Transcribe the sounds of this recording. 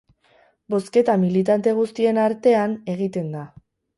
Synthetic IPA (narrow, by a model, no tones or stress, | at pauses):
bo̞ske̞t̪amilit̪ant̪e̞ɣ̞ust̪ie̞naɾt̪e̞ane̞ɣ̞it̪e̞nd̪a